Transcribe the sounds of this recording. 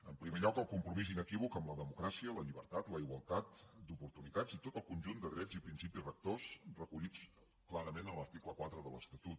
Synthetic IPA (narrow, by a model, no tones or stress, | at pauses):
əmpɾimeʎɔkəlˠkumpɾumizinəkiβ̞ukəmləðəmukɾasiələʎiβ̞əɾt̪at̪ləiɣwəlˠt̪at̪d̪upuɾt̪unit̪ad͡zit̪ot̪əlˠkunʲʒund̪əðɾɛd͡zzipɾinsipirək̚t̪osrəkuʎit͡s | klaɾəmenələɾt̪ikləkwat̪ɾəðə̰lə̰st̪ət̪ut̪̚